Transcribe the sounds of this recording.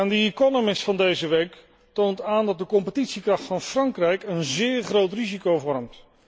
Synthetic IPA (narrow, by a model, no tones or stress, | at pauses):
andəikɔnomɪsfɑndejzəʋejk | towntaːndɑt̚dəkɔmpətitsikrɑχtfɑnfrɑŋkrɛjkənzɪːɹχrowtrizikowvɔrəmt